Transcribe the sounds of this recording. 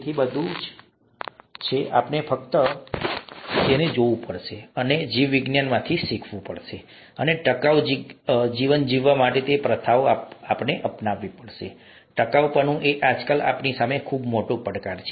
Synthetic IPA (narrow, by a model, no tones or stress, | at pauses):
t̪ʰibəd̪ʱud͡ʒ | t͡ʃʰeʔa̰pnefʰək̚t̪ə | t̪ened͡ʒoʋũpəɽʃeəned͡ʒiʋːiɡnjanmãt̪ʰisikʰʋũpəɽʃe | əneʈəkaʋd͡ʒid͡ʒiʋənd͡ʒiʋːamaʈet̪epɾət̪ʰaʋaapneʔəpnaʋːipəɽʃḛ | ʈəkaʋpənũʔeʔad͡ʒkəla̰pnisamekʰubmoʈopəɽkaɾt͡ʃʰe